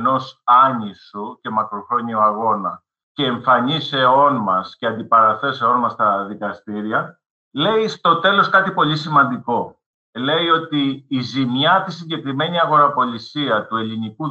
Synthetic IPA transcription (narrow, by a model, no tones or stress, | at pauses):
no̞sɐɲisuce̞mɐkɾo̞xɾo̞ɲioɐɣo̞nɐ | ceːɱfɐɲise̞o̞nmɐsceɐnd̪ipɐɾɐθe̞se̞o̞nmɐst̪ɐðikɐst̪iɾiɐ | le̞ist̪o̞t̪e̞lo̞skɐt̪ipo̞lisimɐnd̪iko̞ | le̞io̞t̪iːzimɲɐt̪is̬iɲɟe̞kɾime̞ɲiɐɣo̞ɾɐpo̞lisiɐt̪ue̞liniku